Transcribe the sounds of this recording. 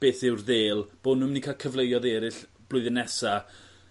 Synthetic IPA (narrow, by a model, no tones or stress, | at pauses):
b̥eːθɪwrðeːlˠb̥oːdnʊmnikʰakʰəvlˠejɔðɛːɾɪɬ | b̥lˠʊɨðɪnɛsa